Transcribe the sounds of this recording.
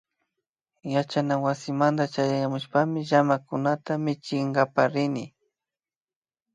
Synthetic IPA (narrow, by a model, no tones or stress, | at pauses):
jat͡ʃanawasɪmand̪at͡ʃajajamʊʃpamɪʒamakʊnat̪amɪt͡ʃɪŋɡapaɾɪnɪ